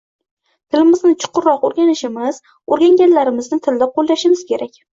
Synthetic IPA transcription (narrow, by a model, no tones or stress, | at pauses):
t̪ʰɪlɪmɪznɪt͡ʃʰʊ̥qʰʊɾːɒqoɾɡʲanɪʃɪmɪz̥ | oɾɡʲaŋɡʲanlaɾɪmɪznɪt̪ʰɪld̪aqʰolˠlaʃɪmɪz̥kʲe̞ɾakʲ